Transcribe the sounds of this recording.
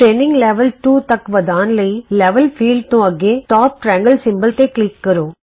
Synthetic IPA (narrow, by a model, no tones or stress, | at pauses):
ʈɾeːnɪ̃ŋɡleʋɐlʈuːt̪ɐkːʊʋɐd̪aːnlɐɪlɛʋɐlfʰiːlɖnũɐɡeːʈaːp̚ʈɾæːŋɡɐlsɪmbɐlt̪eːklikːɐɾoː